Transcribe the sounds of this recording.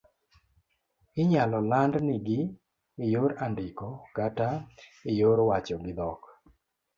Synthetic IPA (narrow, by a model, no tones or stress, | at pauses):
ɪɲalɔlandnɪɡɪ | ɪjoɾandɪkɔkataɪjoɾwat͡ʃɔɡɪd̪ɔk